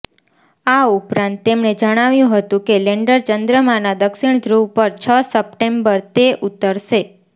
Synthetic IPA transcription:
aupɾãnt̪ːemned͡ʒəɽ̃aʋjũɦət̪ũkeleɳɖəɾt͡ʃənd̪ɾəmanad̪əkʃiɳ̃d̪ʱɾupəɾt͡ʃʰəsəp̚ʈembəɾt̪eʔut̪ːəɾʃe

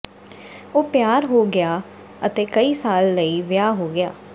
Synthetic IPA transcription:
oːpjaːɾɦoːɡɪjaː | ət̪eːkəiːsaːlːəiːʋɪjaːɦoːɡɪja̰ː

